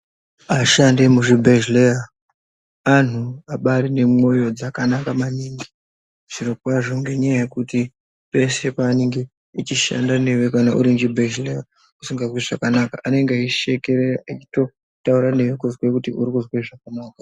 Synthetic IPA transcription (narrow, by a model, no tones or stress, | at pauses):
aʃandemuʐibʱeʒleja | an̤uaɓaɾine̞mo̞jo̞d͡zakanakamaniːŋɡi | ʐ̥iɾokwaʐo̞ŋɡe̞ɲajaje̞kuti | pe̞se̞paːniŋɡe | it͡ʃiʃa̰ndane̞wekanaʔṵɾind͡ʒibʱeʒleja | usiŋɡaweʐakanakaʔane̞ŋɡeaiʃekeɾet͡ʃito̞ | tauɾane̞ʋekuzwekutiuɾikuzweʐakanaːkḁ